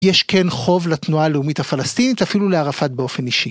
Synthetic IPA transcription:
jeʃkʰenχo̞vlat̪nuaːleumithafalastinitafiluleaʁafat̚be̞o̞fe̞niʃi

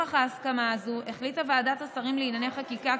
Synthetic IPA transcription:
aχaːskamaːzuʔeχlitavaaːdatasaʁimliinaneχakika

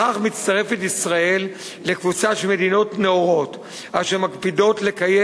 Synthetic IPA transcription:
aχmit͡st̪aʁe̞fetisʁae̞lː | e̞kvut͡saʃelme̞d̪ino̞tneoʁo̞t̪ | aʃemakpido̞tle̞kaje

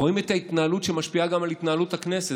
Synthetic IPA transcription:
o̞imet̪hait̪naːlut̪ʃemaʃpiaɡamalit̪naːlut̪haknese

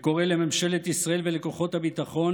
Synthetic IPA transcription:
ko̞ʁelememʃe̞let̪isʁaelvelekoχo̞t̪habit̪aχo̞n

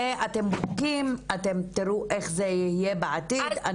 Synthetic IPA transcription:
eʔat̪embokimat̪emt̪iɾuʔeχzeihijebeʕat̪id̪a

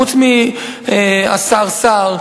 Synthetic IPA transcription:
ut͡smi | a̰saʁsaʁ

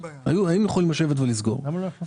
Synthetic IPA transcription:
a̰juaimjaχolːemaʃe̞vet̪velizɡo̞̰ʁo

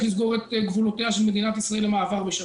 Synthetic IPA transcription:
lisɡo̞ʁet̪eɡvuloteaʃe̞lme̞d̪inat̪isʁae̞lːemaːvaʁbeʃa

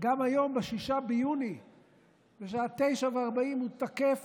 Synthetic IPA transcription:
ɡamajo̞mbeʃiʃabejuni | beʃaat̪ːe̞jʃaveaʁbaimhut̪ake̞f

